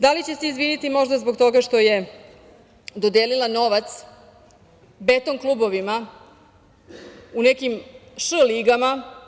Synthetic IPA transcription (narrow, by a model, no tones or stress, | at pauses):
d̪alit͡ɕe̞seizʋinit̪imo̞ʒd̪azbo̞ɡt̪o̞ɡaʃt̪o̞je̞ | d̪od̪elilˠano̞ʋat̪s | be̞t̪onklˠuːbo̞ʋima | unekimʃəliɡama